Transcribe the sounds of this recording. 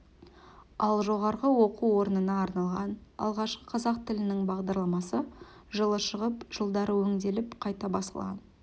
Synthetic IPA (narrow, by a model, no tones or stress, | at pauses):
ɑlˠʒo̞ʁɑɾʁəwo̞quwo̞ɾənənɑːɾnɑlˠʁɑnɑ̰lˠʁɑʃqə̥qʰɑzɑq̚t̪ʰɪlɪnɪŋbɑʁd̪ɑɾlˠɑmɑsə | ʒəlˠəʃəʁəpʒ̥əlˠd̪ɑɾəwɵŋd̪e̞lɪpqʰɑjt̪ɑbɑsə̰lˠʁɑ̰n